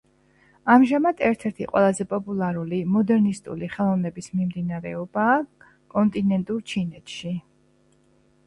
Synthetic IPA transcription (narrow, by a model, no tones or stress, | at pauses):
amʒamad̪ʰɛɾt̪ʰɛɾt̪ʰiqʼwɛ̰lˠazɛpʼɔpʼulˠaɾulimɔd̪ɛɾnist̪ʼṵliχɛlˠɔvnɛbismimd̪inaɾɛɔbaː | kʼɔnt̪ʼinɛnt̪ʼuɾt͡ʃʰinɛt̪ʰʃi